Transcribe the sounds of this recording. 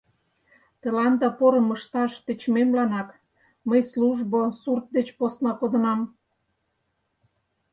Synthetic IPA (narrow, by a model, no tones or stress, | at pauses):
t̪ə̆lɑnd̪ɑpoɾə̆məʃt̪ɑʃt̪ə̆t͡ɕmemlɑnɑk | məjsluʒbosurt̪̚d̪et͡ɕposnɑkod̪ə̆nɑm